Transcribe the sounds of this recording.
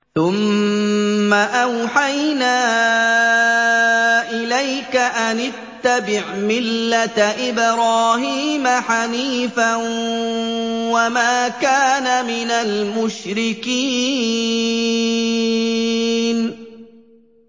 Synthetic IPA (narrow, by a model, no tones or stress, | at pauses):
θʊmː | aʔawħajnaː | ʔɪlajkaʔanɪt̪ːabɪʕmɪlːat̪ʔɪbɾɑːhiːmaħaniːfa | wamaːkaːnamɪnalmʊʃɾɪkiː | n